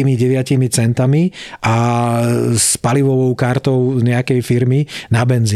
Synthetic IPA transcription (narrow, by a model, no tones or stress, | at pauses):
imiɟɛʋɪacimit͡sɛnt̪amiʔa | spaliʋɔʋɔʊkaɾt̪ɔʊɲɛakɛjfiɾminabɛnzi